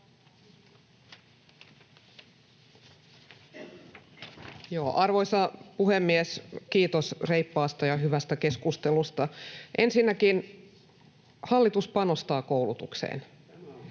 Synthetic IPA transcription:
joːʔɑrʋojsɑpuɦemːieskiːt̪osrejpːɑːst̪ɑjɑɦyʋæst̪ækeskust̪elust̪ɑʔe̞nsinːækin | hɑlːit̪uspɑnost̪ɑːkoulut̪uksḛːn

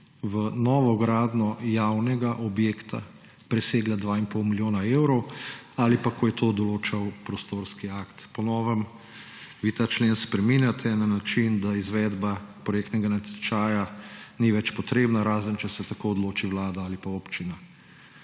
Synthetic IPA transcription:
ʋənɔːʋɔɡɾaːd̪nɔjawnɛɡaʔɔbjeːkt̪ʰa̰ | pɾɛseːɡlad̪ʋaːimpowmiljoːnaewɾɔwalipakɔjɛt̪ʰod̪ɔloːt͡ʃawpɾɔst̪oːɾskiakt̪pɔnɔːʋəm | ʋiːt̪aːt͡ʃleːnspɾɛminjat̪ʰɛnanat͡ʃind̪aizʋɛːd̪bapɾɔjekt̪nɛɡanat̪ɛt͡ʃaːjaniʋɛt͡ʃpɔt̪ɾeːbnaɾaːzənt͡ʃɛsɛt̪akoːd̪loːt͡ʃiʋlaːd̪aalipaoːpt͡ʃina

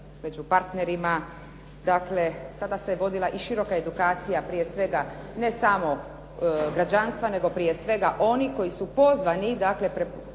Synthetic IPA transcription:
me̞d͡ʑupaɾt̪ne̞ɾima | d̪akle̞t̪ad̪aseʋo̞d̪ilˠaʔiʃiɾo̞kae̞d̪ukaːt̪sijapɾije̞sʋe̞ɡane̞samo̞ | ɡɾad͡ʑanst̪ʋane̞ɡo̞pɾijesʋe̞ɡaʔo̞niko̞jisupo̞zʋanid̪akle̞pɾe

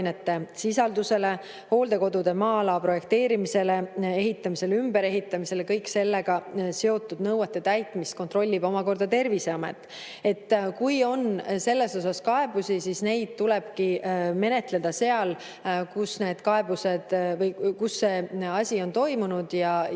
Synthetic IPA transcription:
net̪ːe̞sisɑld̪use̞le̞ | ho̞ːld̪e̞ko̞d̪ud̪̥emɑːlɑpro̞je̞k̚t̪e̞ːɾimise̞le̞e̞ɦit̪ːˑɑmise̞lymbe̞ɾe̞ɦit̪ːˑɑmise̞lekɤjkse̞lːe̞ɡ̥ɑse̞o̞t̪ːˑud̪nɤwɑt̪ːˑe̞t̪æjt̪ːˑmist̪̚ko̞nt̪ro̞lʲːibo̞mɑko̞rd̪ɑt̪e̞rvise̞ɑmḛt̪ːˑ | e̞t̪ːkujo̞nse̞lːe̞so̞sɑskɑe̞busisisne̞jd̪̥̚t̪ulɛb̥kime̞ne̞t̪ˑle̞d̪ɑse̞ɑl | kusne̞ːd̪̥kɑe̞buse̞d̪̥vɤjkusːe̞ːɑsʲio̞nt̪o̞jmunud̪̥jɑ

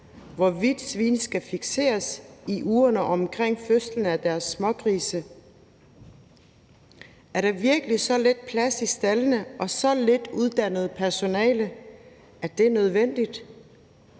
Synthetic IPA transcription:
ʋɒʋid̥sʋḭːnsɡ̥æfiɡ̥se̝̰ːɐsiʔuːɐnəʔɒ̽mkʰʁeŋ̰føslən̩æd̥æɐsːmɒ̽ɡ̥ʁiːsə | æɐɾ̥ɑ̈ʋiɐɡ̥əlisɒ̽led̥̚pʰlæsisd̥ælənəʔɒ̽sɒ̽led̥uð̞ˠd̥æn̰əð̞̩ˠpʰæɐso̝nɛ̰ːlə | æɐd̥e̝nøð̞ˠʋen̰d̥id̥

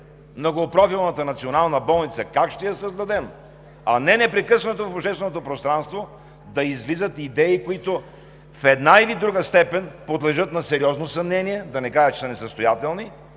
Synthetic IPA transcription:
mnoɡopɾɔfilˠnət̪ənɐt̪sionalˠnəbɔlˠnit̪səkakʃt̪ɛjɐsɐzd̪ɐd̪ɛm | ɐnɛnɛpɾɛkɤsənot̪ofoʃɛst̪vɛnot̪opɾost̪ɾanst̪vo | d̪ɐizvlizət̪id̪ɛikoit̪o | fɛd̪nailid̪ɾuɡəst̪ɛpɛnpod̪lɛʒɤt̪nɐsɛɾiɔznosɐmnɛniɛd̪ɐnɛkaɾət͡ʃɛ̥sənɛsəst̪ojat̪ɛlˠni

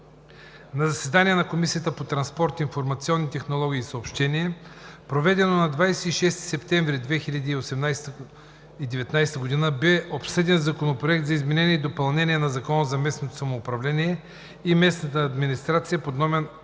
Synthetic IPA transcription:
nɐzɐsɛd̪aniɛnɐkomisijət̪əpot̪ɾɐnspɔɾt̪infoɾmɐt̪siɔnːit̪ɛxnolˠɔɡ̟ʲiːsəopʃt̪ɛnʲiɛpɾovɛd̪ɛnonɐd̪vajsɛiʃɛst̪i̥sɛpt̪ɛ̃ɱvɾid̪vɛxilʲɐd̪iːosɛmnajst̪ | id̪ɛvɛt̪najst̪əɡod̪inəbɛopsɛd̪ɛnzɐkonopɾoɛk̚t̪zɐizmɛnɛnʲiɛid̪opɐlˠnɛnʲiɛnɐzɐkɔnəzɐmɛsnot̪osɐmoːpɾɐvlɛniɛ | imɛsnət̪əːd̪minist̪ɾat̪sijəpod̪nɔmɛn

